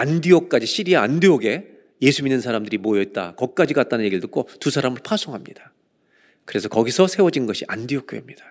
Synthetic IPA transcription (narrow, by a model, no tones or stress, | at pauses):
andiok̚k͈ad͡ʑiɕ͈ʰiɾiaːndioɡe̞ | je̞sʰuminːɯnsʰaɾamdɯɾimojʌit̚t͈a̰kʌk̚k͈ad͡ʑikat̚t͈anɯnjeɡiɭdɯk͈otusʰaɾamɯɭpʰasʰoŋɦamɲid̥a | kɯɾe̞sʰʌkʌɡisʰʌsʰe̞wʌd͡ʑinɡʌɕʰiʔandiok̚k͈eemɲid̥a